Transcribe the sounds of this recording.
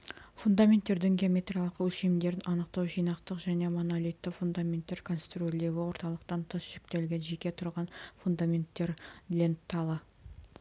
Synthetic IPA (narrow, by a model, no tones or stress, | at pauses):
fund̪amʲe̞nt̪ːe̞ɾd̪ɪŋɡʲeomʲe̞t̪rʲijalˠəqwɵʃemd̪e̞ɾɪnʔɑnəqt̪ɑwʒijnɑqt̪əqʒæne̞monalʲijt̪ːɪfund̪amʲent̪ːe̞ɾkʰo̞nst̪rolʲe̞wɪwo̞ɾt̪ɑlˠəqt̪ɑnt̪ʰəsʒ̥ʏkt̪e̞lɡʲenʒe̞kʲe̞t̪ʰʊɾʁɑnfund̪amʲe̞nt̪ːe̞ɾlʲent̪ːɑlˠə